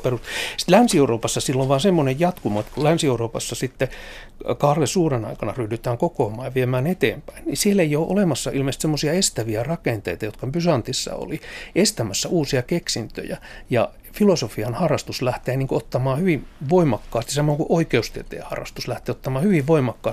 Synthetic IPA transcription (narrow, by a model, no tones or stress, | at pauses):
perust̪si̥t̪lænsieuroːpɑsːɑsilːoʋʋɑːnsemːonejjɑt̪kumoet̪kulænsieuroːpɑsːɑsit̪ːe | kɑhrlesuːrenɑ̰ikɑnɑrydyt̪æːŋkokoːmˑɑːjɑʋiemæːnet̪ḛːmpæinnḭsieleijoːʔo̰lemɑsːɑʔilmeˑist̪semːosiɑest̪æʋiærɑkent̪ḛit̪ɑjot̪kɑpysɑnt̪isːɑ̰o̰liest̪æmæsːæʔuːsiɑkeksint̪ø̰jæ̰jɑ̰ | filosofiɑnhɑrːˑɑst̪uslæht̪eːniːŋkoot̪ːɑmɑːhyʋiʋoimɑkːɑːst̪isɑmːoŋkuʔoikeust̪iet̪ḛːhɑ̰rːˑɑ̰st̪uslæht̪eːot̪ːɑmɑːhyʋiʋʋoimɑkːɑːs